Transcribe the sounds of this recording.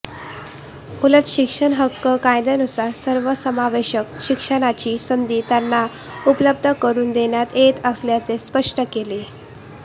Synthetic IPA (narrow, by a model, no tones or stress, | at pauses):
uləʈɕikʂəɳɦəkːəkãjd̪enusaɾsəɾʋəsəmaʋeɕəkɕikʂəɽ̃at͡ɕiːsənd̪iːt̪janːa | upləbd̪ʱəkəɾuːnd̪eɳjat̪et̪əsljat͡sespəʂʈəkele